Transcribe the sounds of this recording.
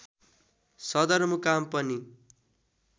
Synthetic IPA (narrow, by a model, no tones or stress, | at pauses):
sʌd̪ʌrmukampʌni